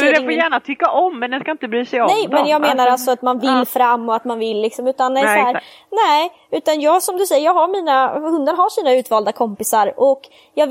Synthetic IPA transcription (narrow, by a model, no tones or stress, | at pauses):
d̪ɛfoːjæːɳat̪ʰʏkːaʔɔmːɛnd̪ɛnskaɪnt̪əbɾyːsɛjɔnɛjmɛnnjɑːɡmeːnaɾalt̪sɔat̪manvɪlːfɾamːɔat̪manvɪlːɪksɔmʉ̟ːt̪and̪ɛsahæːɾ | nɛ | ʉ̟ːt̪anjɑːɡsɔmd̪ɵsɛjːəɾjɑːɡɦaɾmiːnahɵnd̪əɾɦaʂiːnaʉ̟ːt̪vɑːld̪akʰɔmpɪsaɾɔk | jɑː